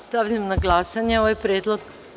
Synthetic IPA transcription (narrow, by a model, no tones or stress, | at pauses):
st̪aʋʎamnaɡlˠaːsaɲeoʋajpɾjeːd̪lˠoɡ